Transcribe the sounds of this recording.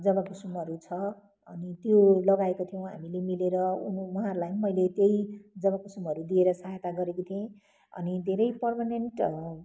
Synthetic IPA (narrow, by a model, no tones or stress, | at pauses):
d͡zʌbakusumʌɾut͡sʰʌ | ʌnit̪jolʌɡaekot̪ʰijow̃ɦa̰milemileɾʌunwʌɦaɾulajmʌjlet̪jejd͡zʌβakusumʌɾud̪ieɾʌsaɦet̪aɡʌɾekot̪ʰiẽ | ʌ̰nid̪ʱeɾʌjpʌrmanenʈ